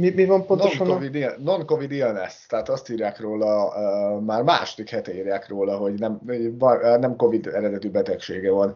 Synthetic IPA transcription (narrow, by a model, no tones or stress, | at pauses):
mimivɒmponnonɔnkovid̪ilno̞ŋko̞vid̪ilnɛst̪ɛɦaːt̪ɒst̪iːɾjaːkroːlɒ | maːrma̰ːʃod̪ikhɛt̪ɛiːrjaːkroːlɒɦo̞ɟnɛmvɒnnɛmko̞vid̪ɛɾɛd̪ɛt̪ybɛt̪ɛkʃeːɡɛvɒn